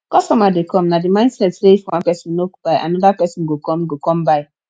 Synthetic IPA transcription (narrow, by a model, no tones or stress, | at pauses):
kɔstɔmadekɔ̃mnadimãɪ̃nsɛtseifwãnpɛsɔ̃nːobaɪʔa̰nɔðapɛsɔ̃nɡokɔ̃mɡokɔ̃mbaɪ